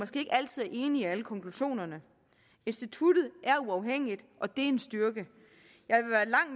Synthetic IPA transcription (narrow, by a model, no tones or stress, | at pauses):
ɒ̽sɡ̥e̝̰ːe̝ɡ̥æl̰t͡sʰið̞̰ˠæɐʔe̝ːniiæləkʰɒ̽ŋkʰluɕo̝̰ːnɐnə | e̝nsd̥it͡sʰud̥ð̩ˠʔæɐuɑ̈ʊɦeŋ̰id̥ʔɒ̽d̥e̝e̝nsd̥yɐɡ̥ə | jɑ̈ɪʋeʋæːɐlɑ̈ŋ̰